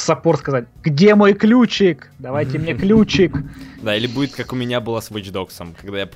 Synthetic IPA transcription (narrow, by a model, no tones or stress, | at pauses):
sɐporskɐzat̚ʲɡdʲe̞mo̞jklʲut͡ɕɪkd̪ɐvajtʲɪmnʲeklʲut͡ɕɪkd̪ailʲɪbudʲɪt̪kakʊmʲɪnʲabɨlˠasvɨt͡ʃd̪o̞ksəmkɐɡd̪ajap